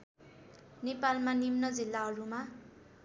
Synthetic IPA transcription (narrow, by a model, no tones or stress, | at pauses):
nepalmanimnʌd͡zilːaɦʌɾuma